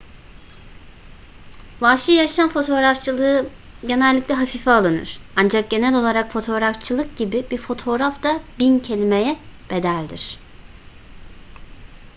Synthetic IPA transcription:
vaːʃɯjaʃanfo̞t̪ʰo̞ːɾaft͡ʃʰɯlˠɯ | ɟe̞nɛlʲːiclʲɛɦafifaːlˠɯnɯ̰ɾ̥and͡ʒak̚ɟ̥e̞nɛlʲo̞lˠaɾakfo̞t̪ʰo̞ɾaft͡ʃʰɯlˠɯk̚ɟibibiɾfo̞t̪ʰo̞ːɾafd̪abincʰe̞lʲimejɛb̥e̞d̪ælʲd̪iɾ̥

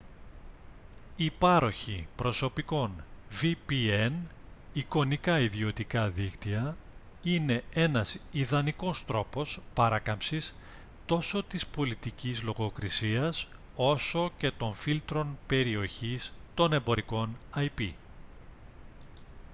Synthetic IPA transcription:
ipɐɾo̞çipɾo̞so̞piko̞nvipieniko̞nikɐiðio̞t̪ikɐðikt̪iɐ | ine̞e̞nɐsiðɐniko̞st̪ɾo̞po̞spɐɾɐkɐmpsis | t̪o̞so̞t̪ispo̞lit̪icizlo̞ɣo̞kɾisiɐs | o̞so̞ce̞t̪o̞ɱfilt̪ɾo̞npe̞ɾio̞çist̪o̞ne̞mbo̞ɾiko̞nɐjpḭ

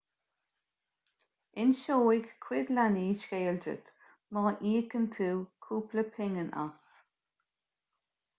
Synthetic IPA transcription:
ɪnʃoːɪɡkʰːwɪd̪laniːʃɡejəld͡ʒə̰t̪ | mɔːʔiːɡənt̪ʰuːkʰuːpləpʰɪŋənʔa̰s

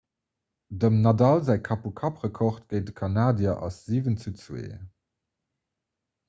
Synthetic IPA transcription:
dəmnɑdɑlzæɪkʰɑpukʰɑpʁəkʰɔχt̚ɡ̥əɪt̚dəkʰɑnaːdjɐʔɑ̰sz̥iːvənt͡sut͡swḛː

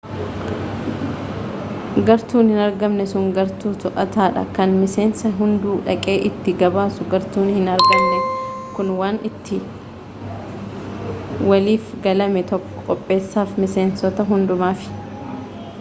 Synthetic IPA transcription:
ɡɐɾt̪uːnhɪnɐɾɡɐmnɛsʊŋɡɐɾt̪uːt̪ʊʔɐt̪aːᶑɐ̰kɐnmɪse̞ːnsɐɦʊnd̪uːᶑɐkʼe̞ːʔɪt̪ːɪɡɐbaːsʊɡɐɾt̪uːnhɪnɐɾɡɐmnɛkʊnwaːnɪt̪ːɪ | wɐliːfɡɐlɐmɛt̪ɔkːɔ̥kʼɔpʼːe̞ːsːaːfmɪse̞ːnsɔt̪ɐɦʊnd̪ʊmaːfɪ̥

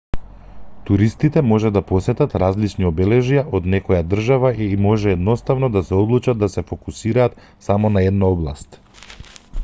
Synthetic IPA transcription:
t̪uɾist̪it̪ɛmɔʒɛd̪apɔsɛt̪at̪ɾazlit͡ʃniɔbɛlɛʒijaʔod̪nɛkɔjad̪r̩ʒavamɔʒɛːd̪nɔst̪avnɔd̪asɛɔd̪lˠut͡ʃad̪ːasɛfokusiɾaːt̪ | samɔnaɛd̪naɔblˠa̰st̪

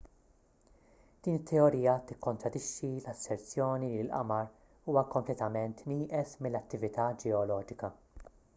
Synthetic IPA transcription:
d̪̥iːnɪt̪ːɛɔɾiːjɐt̪ɪkːɔnt̪ɾɐd̪ɪʃːilɐsːɛɾt͡sjɔːnilɪlʔɐ̰mɐɾ | uːwɐkɔmplɛt̪ɐmɛnt̪niːʔɛsmɪlːɐt̪ːɪvɪt̪ɐd͡ʒɛɔlɔːd͡ʒɪkɐ

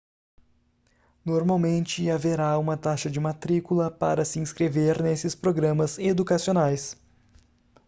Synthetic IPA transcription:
noɾmawmẽnt͡ʃɪaveɾaũmɐt̪aʃɐd͡ʒɪmat̪ɾikulɐpa̰ɾɐsɪĩskɾeveɾnesɪspɾoɡɾɐ̃mɐzed̪ukasionajs

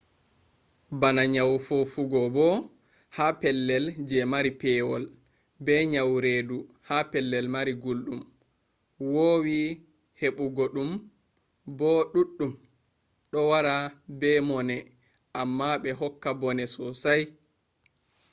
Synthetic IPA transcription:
banaɲawfofuɡɔbɔ | hapɛlːɛld͡ʒɛmaɾipɛwɔl | bɛɲawɾeːduhapɛlːɛlmaɾiɡulɗum | wowi | heɓuɡoɗum | bɔɗuɗːum | ɗɔwaɾabɛmɔnɛ | ʔamːaɓɛɦɔkːabɔnɛsɔsaj

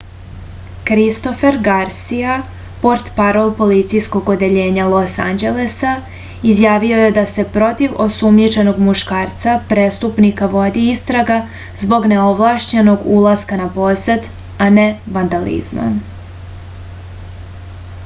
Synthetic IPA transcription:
kɾist̪o̞fe̞ɾɡaɾsija | po̞ɾt̪paɾo̞lˠpo̞lit̪sijsko̞ɡod̪e̞ʎe̞ːɲalˠo̞sand͡ʑe̞lesa | izjaːʋio̞je̞d̪ase̞pɾo̞t̪iʋo̞sumɲit͡ʃe̞no̞ɡmuʃkaːɾt̪sapɾest̪upnikaʋo̞d̪iist̪ɾaɡa | zbo̞ɡne̞oʋlˠaʃɲeno̞ɡulˠaskanapo̞sed̪ | aneʋand̪alḭzma̰

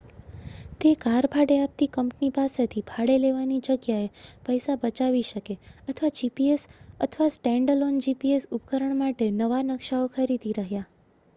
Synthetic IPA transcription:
t̪ekaɾbʱaɽeap̚t̪ikəmpnipaset̪ʰibʱaɽeleʋanid͡ʒəɡjaepəjsabət͡ʃaʋiʃəkeət̪ʰʋad͡ʒipiesə̰t̪ʰʋasʈɛ̃ɳɖəlond͡ʒipiesupkəɾəɳmaʈenəʋanəkʃaokʰəɾid̪iɾəɦja

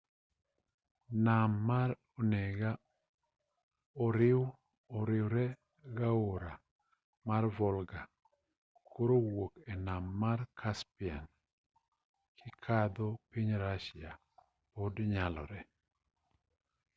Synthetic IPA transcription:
namːaɾ | ɔnɛɡa | ɔɾɪw | ɔɾɪwɾɛ | ɡaoɾa | marvɔlɡa | koɾowokɛnamːarkʰaspia̰n | kʰɪkʰad̪opiɲɾaʃɪa | podɲalɔ̰ɾɛ

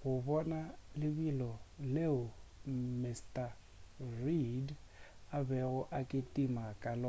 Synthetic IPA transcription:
ɣʊβɔnalɪβilɔleʊmɪstʼa | rid | aβɛɣʊʔakʼɪtʼimakʼalɔ

